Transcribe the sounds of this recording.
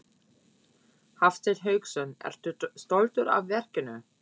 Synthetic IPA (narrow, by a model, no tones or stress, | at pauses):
haft̪ɪlɦœːɥksœnːɛ̰ɾ̥t̪st̪olt̪ʏɾa̰vvɛr̥cɪnʏ